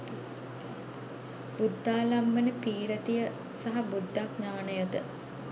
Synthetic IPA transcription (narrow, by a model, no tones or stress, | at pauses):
b̥ud̪ːaːlambənəpiːɾət̪ijə | saɦabud̪ːakɲaːnəjət̪ə